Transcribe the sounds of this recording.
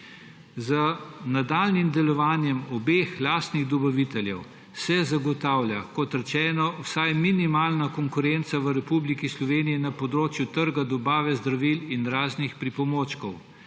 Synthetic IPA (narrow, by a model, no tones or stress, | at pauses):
zənad̪aːlnimd̪ɛlɔʋaːnjɛmɔbeːxlaːst̪niɣd̪ɔbaʋit̪ɛljɛ̰w | sɛzaɡɔt̪aːwljakɔt̪ɾɛt͡ʃɛːnɔwsajminimaːlnakɔŋkʊɾɛnt̪saʋəɾɛpublikislɔʋeːnijinapɔd̪ɾoːt͡ʃjut̪əɾɡad̪ɔbaːʋɛzd̪ɾaʋilinɾaːznixpɾipɔmoːt͡ʃkɔw